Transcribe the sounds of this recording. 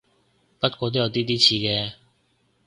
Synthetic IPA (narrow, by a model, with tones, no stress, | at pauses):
pɐ˥t̚kʷɔː˧t̪o˥jɐ˧wt̪̬iː˥t̪iː˥t͡sʰiː˧kɛː˧